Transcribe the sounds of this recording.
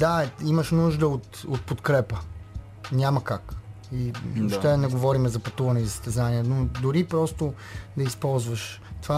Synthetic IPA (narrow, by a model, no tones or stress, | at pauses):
d̪aiməʃnuʒd̪əot̪ot̪̚pot̪kɾɛpə | nʲaməkak | ioʃt̪ɛnɛɡovɔɾimɛzɐpɐt̪uvɐnɛizəst̪ɛzaniɛnod̪ʊɾipɾɔst̪o | d̪ɐispɔlˠzvəʃt̪ova